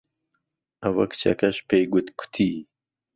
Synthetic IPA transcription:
ɐwɐ̰kt͡ɕʰɐ̰kɐʃpeːɡut̪kʰu̥t̪ʰiː

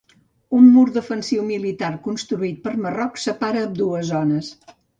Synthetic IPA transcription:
umːuɾd̪əfənsiwmilit̪aɾkunst̪ɾuit̪̚pəɾmərɔksəpaɾəːmd̪uəzɔnəs

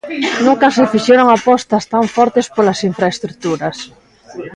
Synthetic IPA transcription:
nũŋkɐsɪfiʃeɾoŋapɔst̪ast̪aɱfɔɾt̪espolasiɱfɾaest̪ɾut̪uɾas

